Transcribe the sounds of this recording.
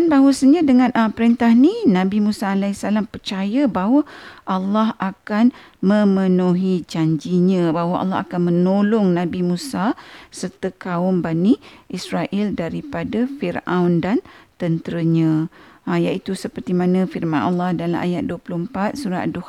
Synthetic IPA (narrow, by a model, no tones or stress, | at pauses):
anbawasəɲãdəŋãnʔəpəɾint̪ahninãbimũsaːlaisalampərt͡ʃajəbaɦwəʔalːahʔakan | mə̃mənuɦid͡ʒaɲd͡ʒiɲãbaɦwaʔa̰lːaha̰kanmə̃nolɔŋnãbimũsasərt̪əkaʊmbaniʔisɾaʔiɪldaɾipadafirawndant̪ənt̪əɾəɲãjaʔit̪usəpərt̪imãnə̃firmãnʔa̰lːɑhdala̰mʔa̰jat̪̚duəpulʊhəmpat̪̚suɾaʔa̰duh